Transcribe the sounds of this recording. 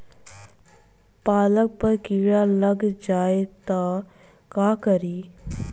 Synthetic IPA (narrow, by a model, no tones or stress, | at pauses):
paːlək̚pɐɾkiːɽalɐɡd͡ʒaːet̪a | kaːkəɾiː